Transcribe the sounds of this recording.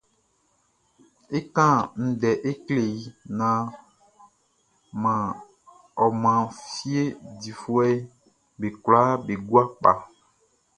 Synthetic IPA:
e˦kã˦n̩˨dɛ˨ʔe˦kle˨ji˨nã˨ | mã˨ | ɔ˨mã˨fi˦e˦di˨fu˦ɛ˦ | be˨kla˦be˨ɡwa˦k͡pa̰˨

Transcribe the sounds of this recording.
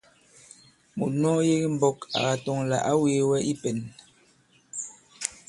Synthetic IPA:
mu˨nɔ˦je˦ɣi˦m̩˨bɔ˦ka̰˨ɣa˨tɔ˨ŋla̰˨ʔa˦we˨˦wɛ˦ʔi˦pe˨n

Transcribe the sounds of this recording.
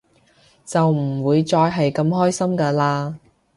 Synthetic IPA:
t͡sɐ˨wm̩˨˩wuː˨˧jt͡sɔː˧jɦɐ˨jkɐ˧mɦɔː˥jsɐ˥mkaː˧laː˧

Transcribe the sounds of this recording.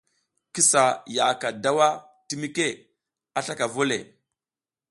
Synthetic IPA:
ki˦sa˨ja˨ka˨da˦wa˦ | ti˦mi˦ke˦ | a˨ɬa˦ka˨vo˦lḛ˨

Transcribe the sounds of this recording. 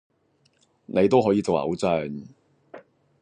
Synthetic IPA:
ne˨˧jt̪o˥wɦɔː˨˥jiː˧t͡so˨wlɐ̰˨˥wt͡sœ˨˩n

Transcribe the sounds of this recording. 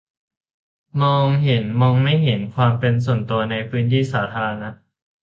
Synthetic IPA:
mɔː˧ŋɦe˩˦nmɔː˧ŋma˥˩jɦe˩˦nkʰwaː˧mpe˧ns̬u˨˩ənt̪u˧ɐna˧jpʰɯː˦˥nt̪ʰiː˥˩saː˩˦t̪ʰaː˧ɾa˧na˦˥ʔ

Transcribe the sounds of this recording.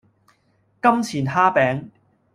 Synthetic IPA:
kɐ˥mt͡sʰiː˨˩nɦaː˥pɛː˨˥ŋ

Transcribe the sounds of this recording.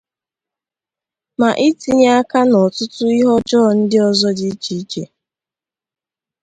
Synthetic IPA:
ma˨ʔi˦ti˨ɲa˦a˦ka˦nɔ˨tʊ˦tʊ˦i˦ɦɔ˦d͡ʒɔ˦˨n̩˦dɪ˦ɔ˨zɔ˦di˦t͡ʃi˦t͡ʃe˨

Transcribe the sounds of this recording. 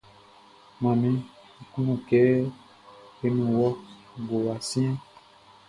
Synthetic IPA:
mã˨mĩ˦ | i˨ku˦nũ˦˨kɛ˨˦ | e˦nũ˨wɔ˦ | ɡo˨wa˨sĩ˦

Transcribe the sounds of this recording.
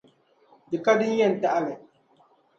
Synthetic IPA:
dɨ˨ka˦dɨ˦ɲ˦jɛ˦˨n̩˨ta˦ʔa˦lɨ˨

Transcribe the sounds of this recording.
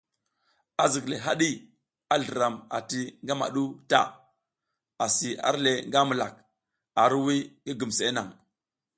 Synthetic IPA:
a˨zi˨kle˨ɦa˦ɗi˦ | a˦ɮə˨ɾa˨ma̰˨ti˦ŋɡa˦ma̰˨ɗu˦ta̰˦ | a˨si˨a̰˦ɾle˨ŋɡa˦mu˨la̰˨k̚ | a˨ɾwi˦ŋɡi˦ɡu˨mse˨˦na˨ŋ

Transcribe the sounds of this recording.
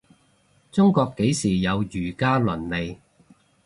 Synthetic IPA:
t͡sʊ˥ŋkɔː˧kːe˨˥jsiː˨˩jɐ˨˧wjyː˨˩kaː˥lɵ˨˩nle˨j

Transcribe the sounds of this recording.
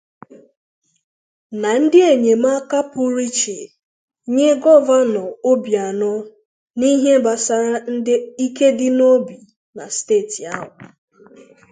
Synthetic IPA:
na˨n̩˦dɪ˦e˨ɲe˨m˦a˦ka˦pʊ˦ɾi˦t͡ʃe˨ | ɲe˦ɡɔ˦va˦nɔ˨o˦bi˨a˨nʊ˦ | ni˦ɦe˦ba˨sa˨ɾa˦n̩˦dɪ˦i˦ke˦dɪ˦no˦bi˨ | na̰˨steː˦˨ti˨a˦ɦʊ˨

